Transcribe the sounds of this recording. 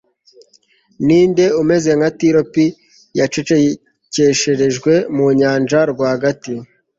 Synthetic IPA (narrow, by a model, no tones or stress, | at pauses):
niːnde̞ume̞ze̞ŋatiɾopi | jat͡ʃet͡ʃe | ce̞ʃeɾe̞ʒɡwe̞muɲaːnd͡ʒaɾɡwaːhaɡati